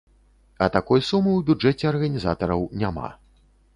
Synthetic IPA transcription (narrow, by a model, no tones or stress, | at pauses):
ɐt̪akɔjsumɨwbʲud͡ʐɛt͡sʲɛɐrɣɐnʲizat̪ɐɾɐwnʲama̰